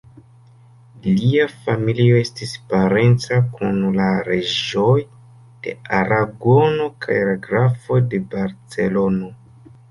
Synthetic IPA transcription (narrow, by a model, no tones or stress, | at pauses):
liafamilio̞e̞stispaɾe̞nt͡sakunlaɾeʒoj | d̥e̞̰aɾaɡo̞no̞kʰa̰jlaɡɾafo̞jde̞baɾt͡se̞lo̞no̞